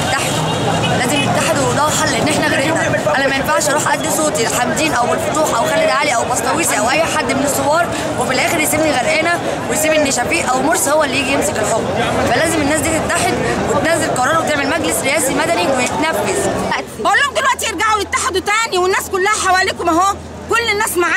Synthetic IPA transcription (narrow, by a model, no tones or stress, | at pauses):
et̪ːaħed̪ | læːzemmet̪ːaħed̪wwd̪æħalːʔenːʔeħnæɣæd̪ | ænæmæjenfaʕʃʔɑɾuːħʔæd̪ːisˤoːt̪iħamd̪iːnʔæwmenfot̪ˤuːħʔæwxælːid̪ʕaːliʔæwbɑsˤt̪ɑwiːsiʔæwʔæjːħad̪ːmenesˤːowɑːɾˤ | wefilʔæːxeɾjesiːbniɣæɾʔæːnæ | wejsiːbʔenːiʃæfiːʔʔæwmoɾˤshowːæʔlːijiːɡijemsekelħobːfælæːzemenːæːs̬d̪iːt̪et̪ːaħed̪wet̪næːzelqɑɾˤɑːɾˤwet̪eʕmelmæɡlesɾeʔæːsimæd̪æniwejet̪næfːezbæʔolːohomd̪elwæʔt̪ijeɾɡaʕolet̪ːaħed̪wt̪æːniwenːæːskolːæhæħawæːliːkomæɦoːæ | kolːenːæːsmaʕaː